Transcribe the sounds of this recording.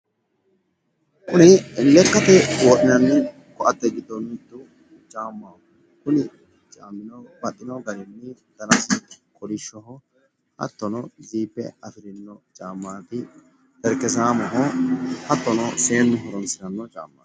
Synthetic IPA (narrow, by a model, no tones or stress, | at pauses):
kʊnɪlːɛkːɐt̪ɛwoːɗɪnɐnːɪ | kɔʔɐt̪ːɛɡɪd̪ɔnɪt̪ːʊ | t͡ʃʼaːmːa | kʊnɪ | t͡ʃʼaːmːɪnɔbɐt̪ʼːɪnɔɡɐɾɪnːɪd̪̥ɐnɐskʼɔɾɪʃːɔɦɔ | hɐ̰t̪ːɔnɔziːpːɛ̰ɐfɪɾɪnːɔt͡ʃʼaːmːaːt̪ɪ | t̪ɛɾkːɛs̬aːmɔɦɔhɐt̪ːɔnɔse̞ːmːɪɦɔɾɔnsɪnɐnːɔt͡ʃʼa̰ːmːa̰ː